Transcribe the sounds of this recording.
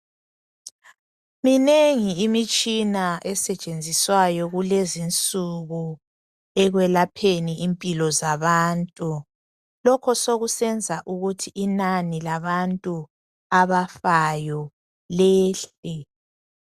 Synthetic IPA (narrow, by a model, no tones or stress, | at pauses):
mineŋiːmit͡ʃʼinaʔɛsɛt͡ʃʼend͡zʱiswajɔɣulezint͡sʼuɣu | ɛɣwɛlapʰeniʔimpʼilɔzaβaːntʼu | lɔkʰɔsoɣusɛnd͡zʱaʔuɣutʰiʔːnanilaβantʼu | aβafajɔ | leːɬɛ